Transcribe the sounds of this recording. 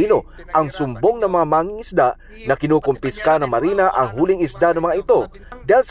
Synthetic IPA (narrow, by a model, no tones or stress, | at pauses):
iːno̞ | ʔɐŋsʊmbo̞ŋnɐmɐŋamaːŋiŋɪsd̪aʔ | nɐkɪnuːkʊmpɪskanɐŋmɐɾiːnɐʔɐŋɦuːlɪŋɪsd̪anɐŋmɐŋaʔɪt̪o̞ | d̪ahɪls